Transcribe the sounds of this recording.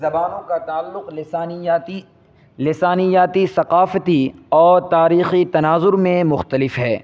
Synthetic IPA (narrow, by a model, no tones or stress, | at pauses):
zɐbaːnõkat̪aːlːʊq̪ː | lɪsaːnijaːt̪isɐqaːfət̪iɔːɾt̪aːɾiːxit̪ɐnaːzʊɾmẽmʊxt̪əlɪfɦɛː